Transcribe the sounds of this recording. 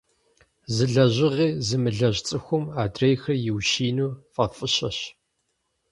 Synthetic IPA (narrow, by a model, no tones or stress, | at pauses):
zɨɮɐʑɪʁiːzɨmɨɮɐʑt͡sʼɨxʷʊmaːdrejxɐrjɪwʃiːnuːfʼɐfʼɨɕɐɕ